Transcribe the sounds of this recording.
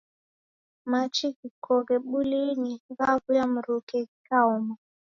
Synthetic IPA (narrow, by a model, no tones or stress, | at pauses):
mat͡ʃiɡikʰɔɣɛɓuliniŋɡaβujam̩ɾukɛkaɔma